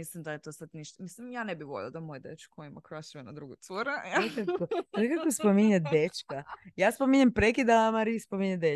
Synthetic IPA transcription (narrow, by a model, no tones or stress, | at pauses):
mislimd̪ajet̪o̞sad̪niʃt̪amislimjaːnebiʋoʎʲḭlod̪amojd̪et͡ʃkoimakɾaʃuenad̪ɾuɡut̪soɾaaekakosekakospomiɲad̪et͡ʃkajaːspomiɲempɾekid̪amaɾispo̞miɲed̪e